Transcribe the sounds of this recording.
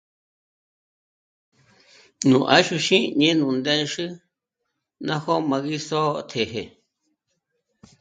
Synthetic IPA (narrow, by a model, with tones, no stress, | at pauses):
nũ˨ʔa˦ʃu˧ʃĩ˦ɲẽ˦nũ˨nd̪e˦˧ʂɨ˦ | nã˦ho˦mã˧ɣi˦so˦˧t̪ʰe˨ɦe˨